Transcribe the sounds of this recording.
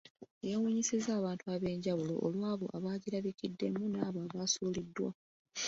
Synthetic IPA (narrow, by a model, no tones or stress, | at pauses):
ejowuɲisizaːβaːntuaβe̞ːɲɟawulo̞̰ʔo̰lwaːβoʔa̰βaːɟiɾaβikidːe̞munaːβoaːβaːsuːlidːwa̰